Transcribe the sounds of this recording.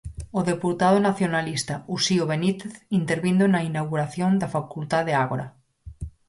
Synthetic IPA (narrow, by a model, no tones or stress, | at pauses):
oðepuɾt̪að̞onaθjonalist̪ausioβenit̪eθint̪eɾβind̪oenainawɣuɾaθjond̪afakult̪aðeaɣoɾa